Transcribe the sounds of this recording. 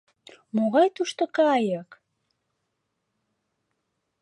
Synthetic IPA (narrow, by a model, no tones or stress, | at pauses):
moɣɑjt̪uʃt̪okɑjək